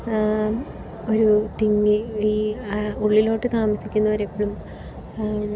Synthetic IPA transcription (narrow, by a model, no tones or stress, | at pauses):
o̞ɾut̪iŋːɨiːuɭːilo̞ːʈːɨt̪aːmɐsikʲːunːɐʋɐɾepːeɭum